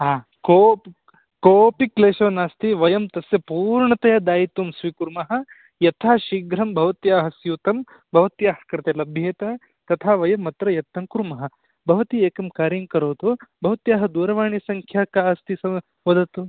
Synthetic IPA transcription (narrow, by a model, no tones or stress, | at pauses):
aː | kop | koːpikleːʃɐʋɐnaːst̪iʋɐjɐmt̪ɐsjɐpuːɾɳɐt̪ɐjad̪aːjit̪umsʋikuɾmɐɦɐ̆ | jɐt̪ʰaːʃiɡɾɐmbʱɐʋɐt̪jaːɦɐsjuːt̪ɐm | bʱɐʋɐt̪jaːɦɐ̥kɐɾɐt̪eːlɐbʱjeːt̪ɐ | t̪ɐt̪ʰaːʋɐjɐmːɐt̪ɾɐjɐt̪ːɐmkuɾmɐɦɐ̆ | bʱɐʋɐt̪ieːkɐmkaːɾjɐmkɐɾoːt̪obʱɐʋɐt̪jaːɦɐd̪uːɾɐʋaːɳisɐŋkʰjaːkaːst̪isɐ | ʋɐd̪ɐt̪u